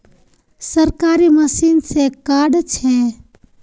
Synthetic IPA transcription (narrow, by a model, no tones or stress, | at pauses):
səɾkaːɾiməsiːnsekaːɖt͡ʃʰɛ